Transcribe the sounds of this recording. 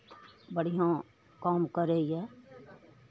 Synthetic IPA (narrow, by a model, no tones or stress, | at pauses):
bəɽ̤ijã | kaːmkəɾeiɦɛː